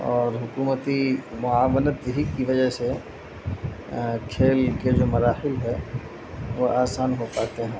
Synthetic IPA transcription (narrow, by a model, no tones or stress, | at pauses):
ɔːɾɦʊkuːmət̪imʊaːʋənət̪ɦikiʋɐd͡ʒəɦse | kʰeːlked͡ʒoːmɐɾaːhɪlɦɛ | ʋoaːsaːnɦopaːt̪eɦɛ̃ː